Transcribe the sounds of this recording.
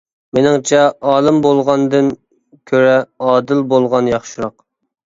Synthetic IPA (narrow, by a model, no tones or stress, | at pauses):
menɪŋt͡ʃʰɛʔɑːlˠɨmbolˠʁɑnd̪ɨn | kʲʰøɾɛɑːd̪ɪlbolˠʁɑnjɑχʃiɾɑq